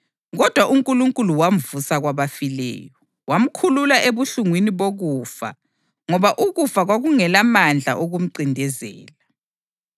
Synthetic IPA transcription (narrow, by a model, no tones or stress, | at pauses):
ɣɔd̥ʱwaʔuŋkʼuluŋkʼuluwam̩vusaɣwaβafilɛ̰ːjɔ | wam̩kʰululaʔeβuɬuŋwiniβoɣuːfa̰ | ŋɔβaʔuɣufaɣwaɣuŋɛlamand͡ɮʱa̰ʔoɣum̩ǀindʱɛzɛ̰ːla